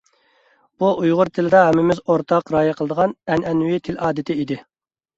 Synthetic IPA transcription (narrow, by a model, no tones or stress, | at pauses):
b̥uʔujʁʊɾt̪ʰɪlɪd̪ɑɦɛmːɪmɪzoɾt̪ʰɑqɾɑːjɛqʰəlˠəd̪əʁɑnɛnɛnwit̪ʰɪlɑːd̪ɪt̪ʰɪid̪ɪ